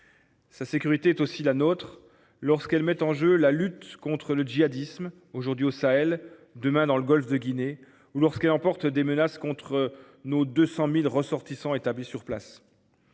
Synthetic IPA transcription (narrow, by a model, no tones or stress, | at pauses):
sasekʲyʁit̪eɛt̪osilanot̪χ | lɔʁskɛlmɛt̪ɑ̃ʒølalyt̪kɔ̃t̪χələd͡ʒiad̪ism | oʒuʁd̪ɥiosaɛld̪əmɛ̃d̪ɑ̃ləɡɔlfd̪əɡʲine | ulɔʁskɛlɑ̃pɔʁt̪d̪emənaskɔ̃t̪χə | nod̪øsɑ̃milʁəsɔʁt̪isɑ̃et̪ablisyʁpla̰s